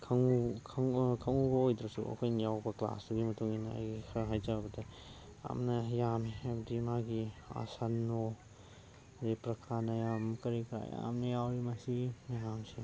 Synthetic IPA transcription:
kʰɐŋukʰɐŋkʰɐŋubɐojd̪ɾɐsṵɐ̰kʰojnɐjawbɐkla̰sduɡimɐtuŋinɐa̰jɡikʰɐɦajzabɐdɐ | a̰mnɐjamebɐdimaɡia̰sanːo | zepɾɐkʰanɐjamkɐɾikʰɾa̰ja̰mnɐjawɾimɐsimaɦamsi

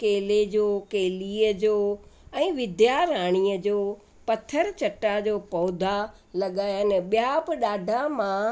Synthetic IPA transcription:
keːled͡ʑoːkeːliəd͡ʑoːɛ̃ːʋɪd̪jaɾaːɽ̃iːəd͡ʑoː | pɐt̪ʰəɾt͡ɕɐʈad͡ʑoːpɔːd̪ʱa | lɐɠaːjanɛɓijabɪɗaːɖʱamã

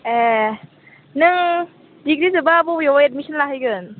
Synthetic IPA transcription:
e | nɯŋ | diɡɾizɯbaːbujɔwaedmisɔnlaɦajɡɯn

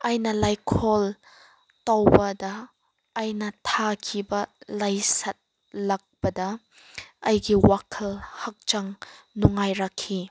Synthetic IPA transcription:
ʔɐjnɐlɐjkʰɔl | tɐwbɐdɐː | jnɐtʰakʰibɐlɐjsɐt̚ | lɐk̚bɐdɐ | ʔɐjɡiwakʰɐlhɐk̚t͡ʃɐŋnuŋajɾɐkʰːi

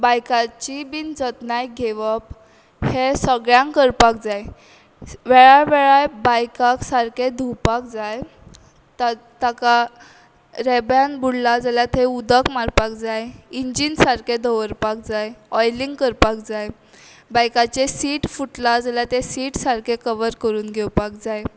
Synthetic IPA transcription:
bajkat͡ɕibind͡zət̪najɡʱeʋəp | hesəɡɭjãŋkəɾpak̚d͡zaj | ʋɛɭajʋɛɭajbajkaksaɾkʰed̪ʱupak̚d͡zaj | t̪a | t̪aka | ɾɛbjanbuɽlad͡zaljat̪ʰeud̪əkmaɾpakd͡zajiɲd͡ʑinsaɾked̪ʱəʋəɾpak̚d͡zajɔjliŋɡkəɾpak̚d͡zaj | bajkat͡ɕesiːʈfuʈlad͡zaljat̪esiːʈsaɾkʰekəʋəɾkəɾuːnɡʱewpakd͡zaj

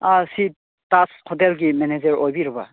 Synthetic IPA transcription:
asi | taskʰɔtelɡimened͡ʒeɾojbiɾba̰

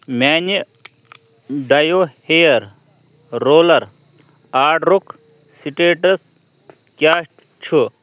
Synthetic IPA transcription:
maːni | ɖɐjohejɐɾ | ɾoːlɐɾ | aːɖɾuk | siʈeːʈɐs | kʲaːɕʈ | t͡ʃʰu

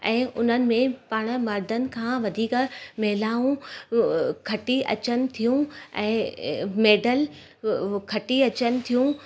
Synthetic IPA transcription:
ɛ̃ːʔʊn̤ənɪ̆mẽpaːɽ̃ə̆mɐɾd̪ʱənɪ̆kʰãːʋɐd̪ʱiːkmɛɦɪlaːũ | kʰɐʈiʔɐ̰t͡ɕənɪ̆t̪ʰijũɛ̃ːmeːɖəl | kʰɐʈiɐt͡ɕənɪ̆t̪ʰijũ

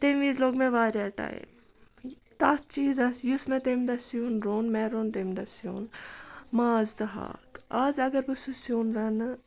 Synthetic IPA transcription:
t̪emʋiːzloːɡmẽʋaːɾjaːʈa̰ːjḭm | t̪aːt̪t͡ʃiːzɐsjusmɐt̪emd̪ɐsjunɾoːnmɛːɾoːnt̪emd̪ɐsjo̰ːnmaːzd̪ɐɦa̰ːkaːzɐɡɐɾbɨsusjoːnɾɐn

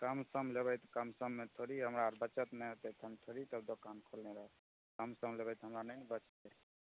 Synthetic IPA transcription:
kəmsəmleβəjt̪kəmsəmːet̪ʰoɾiɦəmɾaɾbət͡ʃət̪nɛt̪et̪ʰəmt̪ʰoɾit̪əbd̪okankʰolneɾəɦ | kəmsəmlebəjt̪ɦəmɾanəbət͡ʃt̪ɛ

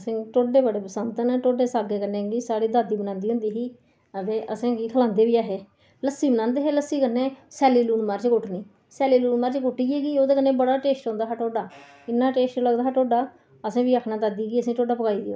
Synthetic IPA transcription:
əsĩːʈoːɖeːbəɽeːpəsənt̪ənʈoːɖeːsaːɡeːkəɾneːɡisaːɽiːd̪aːd̪iːbənãːnd̪iːʊ̃nd̪iːɦiː | əd̪eːʔəsẽːɡiːkʰəlãːnd̪eːʋiːaːɦeː | ləsiːbənãːnd̪eːɦeːləsːiːkəɾneːsɛːliːluːnmaːɾt͡ʃkʊʈʰnĩː | sɛːliːluːnmaːɾt͡ʃkʊʈiːeːɡiːoːd̪eːkənːẽːbəɽaːʈeːsʈɦõːnd̪aːɦːʈoːɖaː | ɪnːaːʈeːsʈləɡd̪aːɦeːʈoːɖaː | əsẽːʋiːəkʰnaːt̪aːd̪iːɡiːəsĩːʈoːɖaːpəkaːiːd̪ia̰ː

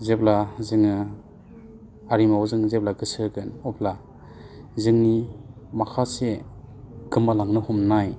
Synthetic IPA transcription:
zeplazɯŋɯ | aɾimawzɯŋzeb̚laɡɯsɯɡɯnɔpʰla | zɯŋnimakʰase | ɡɯmalaŋnɯhɔmnaj

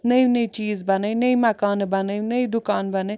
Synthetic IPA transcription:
nɐinɐit͡ʃiːzbɐnənɐimɐkaːnbɐnəinɐid̪ʊkaːnbɐnə

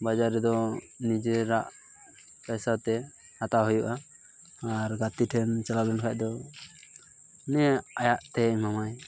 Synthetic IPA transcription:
bad͡ʒaɾːɛd̪ɔ | nid͡ʒeɾaʔ | pajsat̪ɛ | at̪aɦujuʔa | aɾɡat̪iʈʰɛnt͡ʃalabɛnkʰac̚d̪ɔ | nɛajaʔt̪ɛmamaj

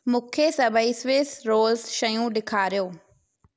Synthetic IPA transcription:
mʊkʰesɐbəisʋɪsɾoːlsʃɐjũɗɪkʰaːɾɪjoː

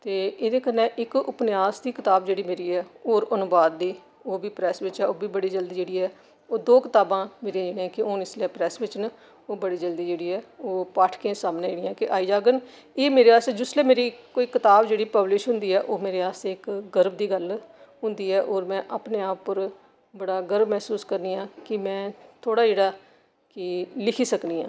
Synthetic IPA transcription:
t̪eːeːd̪eːkənːẽːʔɪkʊpnɪjaːsd̪iːkɪt̪aːbd͡ʒeːɽiːmeːɾiːɛːoːɾʊnʊbaːd̪ːiː | oːbiːpɾɛːsʋɪt͡ʃɛːoːbiːbəɽiːd͡ʒəld̪iːd͡ʒeːɽiːɛː | oːd̪oːkɪt̪aːbãːmeːɾed͡ʒeːnẽːkɪoːnɪsleːpɾɛːsʋɪt͡ʃn | oːbəɽiːd͡ʒəld̪iːd͡ʒeːɽiːɛːoːpaːʈʰkẽːsaːmneːeːɽɪjãːkɪʔaːiːd͡ʒaːɡən | eːmeːɾeaːst̪eːd͡ʒʊsleːmeːɾiːkoːiːkɪt̪aːbd͡ʒeːɽiːpəblɪʃɦʊ̃nd̪iːɛːʔoːmeːɾeːaːst̪eːɪkɡəɾbd̪iːɡəl | ɦʊ̃nd̪iːɛːʔoːɾmɛ̃ːʔaːpneːaːpːəɾ | bəɽaːɡəɾbmɛːsuːskəɾniːãːkɪmɛ̃ːt̪ʰoːɽaːd͡ʒeːɽaː | kɪlɪkʰiːsəkniːã̰ː

